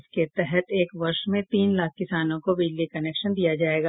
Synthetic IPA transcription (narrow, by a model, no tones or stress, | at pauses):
ɪsket̪ɛɦɛt̪eːkʋɐɾʃmẽt̪iːnlaːk̚ʰkɪsaːnõkobiːd͡ʒlikɐneːkʃənd̪ijad͡ʒaːeːɡaː